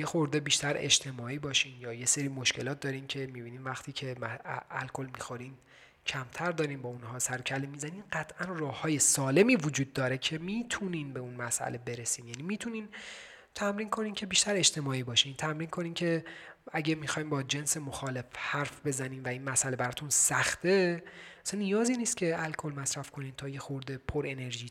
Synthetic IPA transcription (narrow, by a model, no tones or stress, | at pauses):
jexoɾd̪ebiːʃt̪æɾḛd͡ʒt̪ʰemɒːiːbɒːʃiːnjɒːje̞seɾiːmo̞ʃce̞lɒːt̪̚d̪ɒːɾiːmcʰe̞miːbiːniːnvæxt̪ʰiːcʰe̞mææ̰lkʰo̞lmixoɾiːn | cʰæmt̪ʰæɾd̪ɒːɾiːmbɒunɦɒːsæɾocʰælemiːzæniːnɢæt̪ʰʔænrɒːhːɒːje̞sɒːle̞miːvod͡ʒuːd̪̚ːɒːɾe̞cʰe̞miːt̪ʰuniːnbe̞unmæsʔæ̰le̞be̞ɾesiːmjæniːmiːt̪ʰuniːn | t̪ʰæmɾiːnkʰo̞niːncʰe̞biːʃt̪ʰæɾeʃt̪ʰe̞mɒːiːbɒːʃiːnt̪ʰæmɾiːnkʰo̞niːncʰe̞æɟemixɒːjmbɒːd͡ʒe̞nse̞moxɒːle̞fhæɾfbe̞zæniːmvæiːnmæsʔæle̞bæɾɒːt̪ʰunsæxt̪ʰe̞æsænːijɒːziːniːst̪cʲʰe̞ælkʰo̞lmæsɾæfkʰoniːnt̪ʰɒːjexoɾd̪e̞pʰoɾe̞ne̞ɾʒiː